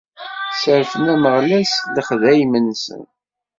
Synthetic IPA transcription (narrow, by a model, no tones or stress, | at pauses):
səɾfənæməʁlæsləχðæjmənsə̰n